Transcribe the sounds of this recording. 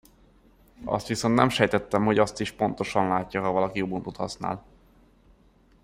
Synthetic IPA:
ɒ̰st̪ʋiso̞nt̪nɛmʃɛjt̪ɛt̪ːɛmho̞ɟɒst̪iʃpo̞nt̪o̞ʃɒnlaːcːɒɦɒvɒlɒkijoːbunt̪ot̪hɒsna̰ːl

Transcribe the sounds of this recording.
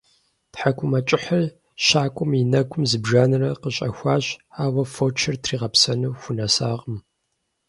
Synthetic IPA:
tħakʷʰʊmɐt͡ʃʼɪħɐr | ɕaːkʷʼʊminɐɡʷʰʊmzɨbʒaːnɨrɐqəɕʼɐxʷaːɕaːwɐfot͡ʃʰɐrtʰriːʁɐpsɐnuwxʷʊnɐsaːqəm

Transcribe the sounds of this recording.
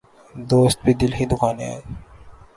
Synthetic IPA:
d̪ost̪̚bid̪ilɦĩd̪ukʰanea̰j

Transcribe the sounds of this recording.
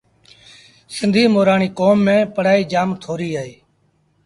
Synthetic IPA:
sɪnd̪ʱiːmoːɾaːɳiːkoːmːẽːpəɽaːiːd͡ʒaːmt̪ʰoːɾiːaːeː

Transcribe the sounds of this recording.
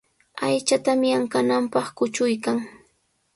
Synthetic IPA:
ajt͡ʃat̪amɪaŋkanampɑχkʊt͡ʃʊjkaŋ

